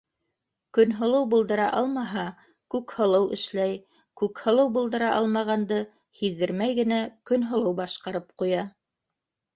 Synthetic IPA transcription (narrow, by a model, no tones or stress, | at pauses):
kɵ̆nɦŏlˠɤwbŭlˠd̪ɤ̆ɾɑʔɑlˠmɑɦɑ | kʉkhɤ̆lˠɤwʔɘ̰̆ʃlæj | kʉkhɤ̆lˠɤwbɤ̆lˠd̪ɤ̆ɾɑʔɑlˠmɑʁɑnd̪ɤ | hiðːɘ̆ɾmæjɡɘ̆nækɵnɦŏlˠɤwbɑʃqɑɾɤp̚qujɑ